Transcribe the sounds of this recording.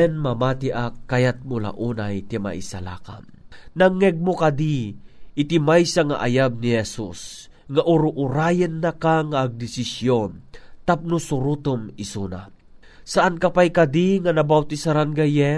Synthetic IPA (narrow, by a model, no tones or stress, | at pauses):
ɛnmamaːt̪iʔakːajat̪̚mʊla̰ʔuːnajt̪ima̰ʔḭsa̰la̰ːka̰m | naŋːɛɡ̚mokad̪iʔɪt̪ɪmajsaŋa̰ʔa̰jab̚nihɛsus | ŋaʔʊɾuʔʊɾaːjənːakaŋaʔːɡ̚d̪ɪsɪsjont̪ap̚nusʊɾut̪ʊmɪsuna̰ | saʔankapajkad̪iŋanabawt̪isaɾanɡajɛ